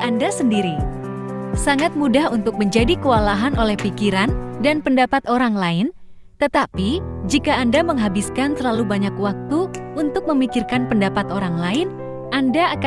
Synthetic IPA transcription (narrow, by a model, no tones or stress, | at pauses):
andasəndiɾi | saŋat̪̚mudahunt̪ʊk̚məɲd͡ʒadikəwalaɦanolɛhpikiɾandanpəndapat̪oɾaŋlaɪn | t̪ət̪apid͡ʒikaːndaməŋɦabiskant̪ərlalubaɲakwak̚t̪uunt̪ʊk̚məmikɪrkanpəndapat̪oɾaŋlaɪn | ʔandaːk